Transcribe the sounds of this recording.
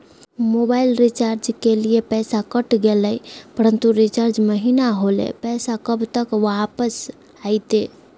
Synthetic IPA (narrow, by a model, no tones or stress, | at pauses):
mobailɾit͡ʃaɾd͡ʒkeliepɛsakəʈɡeləjpəɾənt̪uɾit͡ʃaɾd͡ʒməɦinaɦolḛpɛsakəbt̪əkʋapəs | ajt̪e